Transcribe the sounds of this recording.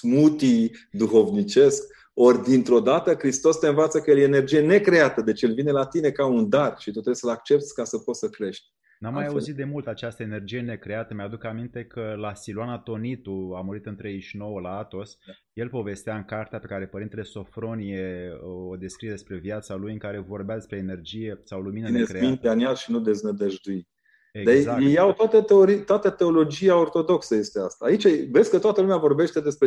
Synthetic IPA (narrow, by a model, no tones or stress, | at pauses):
smut̪id̪uxo̞vnit͡ʃe̞sk | o̞rʲd̪int̪ɾo̞d̪at̪əkɾist̪o̞st̪eɨnvat̪səkəjeljene̞rd͡ʒije̞ne̞kɾe̞at̪əd̪e̞t͡ʃjelvine̞lat̪ine̞kaund̪arʃit̪ut̪ɾebsəlak̚t͡ʃe̞p̚t̪sʲkasəpot̪səkɾe̞ʃt̪̚ʲ | nammːajauzzit̪̚d̪e̞mult̪at͡ʃast̪əene̞rd͡ʒije̞ne̞kɾe̞at̪əmead̪ukamint̪e̞kʰəlasiluanat̪o̞nit̪uamuɾit̪ɨnt̪ɾeiʃno̞wəlaat̪o̞s | je̞lpo̞ve̞st̪eaɨŋkart̪eape̞kaɾe̞pəɾint̪ele̞so̞fɾo̞nije̞od̪e̞skɾied̪espɾe̞vjat̪salujɨŋkaɾe̞vo̞rbead̪e̞spɾe̞ːne̞rd͡ʒije̞sawluminənekɾeint̪eaniaʃinud̪e̞znəd̪əʒd̪uit̪ | ed̪ezakjejawt̪at̪ət̪eoɾit̪oat̪ət̪e̞o̞lo̞d͡ʒijao̞rt̪o̞d̪o̞ksəje̞st̪e̞ast̪aːit͡ʃavesʲkət̪oat̪əlumeavo̞rbe̞ʃt̪e̞d̪e̞spɾe